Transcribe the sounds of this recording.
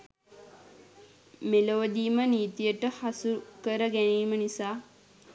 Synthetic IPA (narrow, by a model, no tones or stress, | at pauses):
meloʋəd̪iːməniːt̪ijəʈəhasukəɾəɡæniːmənisaː